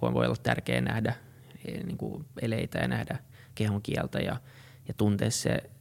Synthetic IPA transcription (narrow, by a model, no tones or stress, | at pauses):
oonʋo̰iolːɑt̪t̪ærkeːnnæhdæ | niːŋkṵeleit̪æjɑnæhdæ | kehuŋkiɛlt̪æjɑ | jɑt̪unt̪eːssḛ